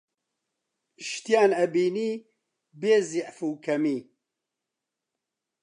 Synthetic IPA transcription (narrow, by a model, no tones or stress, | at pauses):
ʃt̪ijaːnɛbiːniː | beːziʔfuːkʰɛmiː